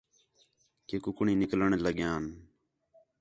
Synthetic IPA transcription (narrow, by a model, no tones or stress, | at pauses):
keːkʊkɳĩːnɪkləɳ̃eːləɠjãːn